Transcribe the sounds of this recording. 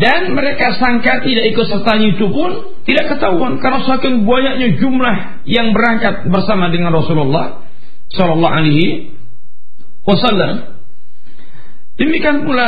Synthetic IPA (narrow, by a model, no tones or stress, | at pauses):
danməɾekasaŋkat̪idaʔikʊt̪̚sərt̪aɲait̪upʊn | t̪idaʔkət̪auankarnasəakɪnbuajaʔɲad͡ʒumlah | jaŋbəɾaŋkat̪̚bərsamadəŋanrɔsulɔlːɑh | sɔlɔlːɑɦa̰leɦi | wasalːa̰m | d̥əmikianpula